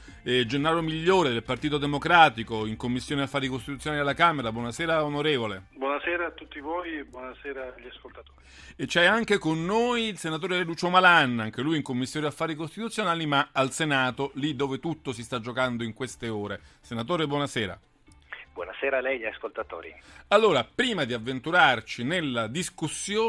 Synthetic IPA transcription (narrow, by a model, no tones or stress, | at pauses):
d͡ʒenːaːɾomiʎːoːɾed̪elpart̪iːt̪od̪emokɾaːt̪ikoiŋkomːisːjoːniafːaːɾikost̪it̪ut̪sjonalialːakaːmeɾabwɔnasɛːɾaonoɾeːvolebwɔnasɛːɾaːt̪ːut̪ːivoːjebwɔnasɛːɾaʎiaskolt̪at̪oːɾi | et͡ʃɛaŋk̟ekonːoːjlsenat̪̬oːɾeɾed̪uːt͡ʃomalanːaŋk̟elujiŋkomːisːjoːɾiafːaːɾikost̪it̪ut̪sːjonaːlimaalsenaːt̪olid̪ːoːvet̪ut̪ːosist̪ad͡ʒːokand̪oiŋkwest̪eoːɾesenat̪oːɾebwɔnasɛːɾa̰ | bwɔ̰naseːɾalɛjʎiaskolt̪at̪o̰ːɾḭalːoːɾapɾiːmad̪iavːent̪uɾart͡ʃinelːad̪iskusːjoː